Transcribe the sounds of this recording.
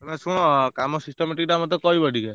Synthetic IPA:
mesũkamɔsisʈɔmeʈik̚ʈamɔt̪ekɔɦibɔɖʱike

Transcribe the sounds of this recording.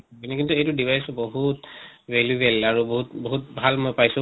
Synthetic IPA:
binɛkintuejtʊdibʱajsɔboɦutveljubɛlaɹuboɦutboɦut̚bʱalmojpajsʊ̃

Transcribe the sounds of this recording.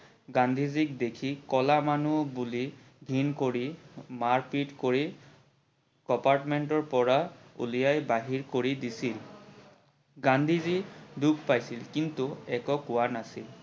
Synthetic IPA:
ɡandʱizikdekʰikɔlamanubuli | ɡʱinkoɹimaɹpitkoɹi | kɔpaɹtmɛntɔɹpɔɹaṵlijajbaɦiɹkoɹidisil | ɡand̪ʱizidukʰpajsilkintuɛkɔkʊwanasil

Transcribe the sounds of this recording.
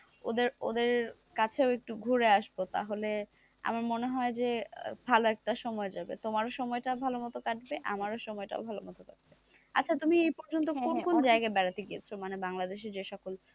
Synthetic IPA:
o̰d̪eɾo̰d̪eɾ | kat͡ɕʰeoek̚ʈuɡʱuɾeaʃbot̪a̰ɦole | a̰maɾmoneɦɔed͡ʑebʱaloɛk̚ʈaʃɔmɔed͡ʑabḛt̪omaɾoʃɔmɔeʈabʱalomɔt̪okaʈbeʔa̰maɾoʃɔmɔeʈa̰obʱalomɔt̪okaʈ̚be | a̰tːt͡ɕʰat̪umiejpɔɾd͡ʑont̪̬okonkond͡ʑaeɡaebɛɾat̪eɡiet͡ɕʰomanebaŋlad̪eʃ̬ed͡ʑeʃɔkol

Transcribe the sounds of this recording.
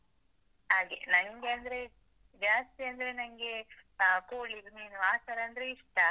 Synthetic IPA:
ɦaːɡenɐnŋɡeɐnd̪ɐɾe̞ | d͡ʒaːst̪iɐnd̪ɐɾe̞nɐŋɡe̞koːɭiɾuniːnuaːsɐɾɐːnd̪ɐɾeiʂʈɐ

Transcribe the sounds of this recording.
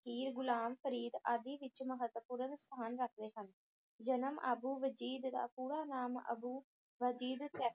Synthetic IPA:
kiːɾɡʊlaːmpʰəɾiːd̪aːd̪iːʋɪt͡ʃməɦət̪ʋəpuːɾənst̪ʰaːnɾəkʰd̪eːɦən | d͡ʒənəmʔəbuːʋəd͡ʒiːd̪ːa̰ːpuːɾaːnaːmə̰buː | ʋəd͡ʒiːd̪t̪ɛ

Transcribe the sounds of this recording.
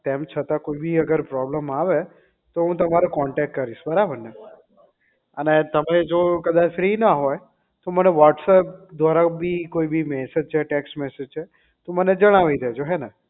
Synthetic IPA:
t̪emt͡ʃʰət̪akoibʱiəɡəɾpɾɔbləmaʋe | t̪oɦũt̪əmaɾokɔɳʈɛk̚ʈkəɾiʃbəɾabəɾne | ənet̪əmed͡ʒokəd̪ad͡ʒfɾinaɦɔj | t̪oməneʋɔʈsəp̚d̪ʋaɾabʱikoibʱimɛsed͡ʒt͡ʃʰeʈɛksʈmɛsed͡ʒt͡ʃʰe | t̪oməned͡ʒəɽ̃aʋid̪ʱed͡ʒoɦɛnɛ

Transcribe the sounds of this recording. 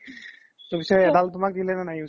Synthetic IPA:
tʊbisɔjɛdaltʊmak̚dilɛnanaju

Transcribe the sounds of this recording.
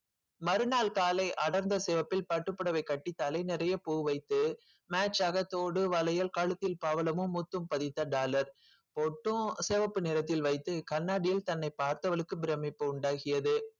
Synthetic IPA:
mɐɾɯnaːlkaːlɐɪʔɐɽɐɾnd̪ɐsɛʋɐpːɪlpɐʈːɯpːɐɽɐʋɐɪkɐʈːit̪ːaːlɐɪnɪɾɐjɐpuːʋɐɪt̪ːɯ | maːt͡ʃːaːɣɐt̪ːoːɽɯʋɐlɐjɐlkɐɻɯt̪ːɪlpaːʋɐlɐmɯmːut̪ːɯmpɐðɪt̪ːɐɖaːlɐɾ | pɔʈːɯ̃sɛːʋɐpːɯnɪɾɐt̪ːɪlʋɐɪt̪ːɯkɐnːaːɽɪjɪlt̪ɐnːɐɪpaːɾt̪ɐʋɐɭɯkːɯbɪɾɛmːɪpːɯʊɳɖaːɣɪjɐðɯ

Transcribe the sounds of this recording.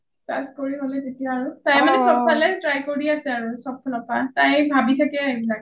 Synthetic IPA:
pa̰skoɹiɦolɛtetijaːɹutajmanɛsɔb̚pʰalɛtɹajkoɹiasɛaɹusɔp̚ʰːalɔpatãjbʱabitʰakɛebilak

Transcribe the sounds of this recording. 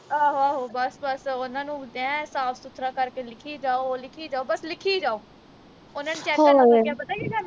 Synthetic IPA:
aːɦaːɦoːbəsbəsʊnãːnũːd̪ãsaːfsʊt̪ʰɾaːkəɾkeːlɪkʰiːd͡ʒaːoːlɪkʰiːd͡ʒaːoːbəslɪkʰiːd͡ʒaːoː | ʊnãːnuːt͡ʃɛːɦaɡjaːbət̪aːiːd͡ʒaːnː

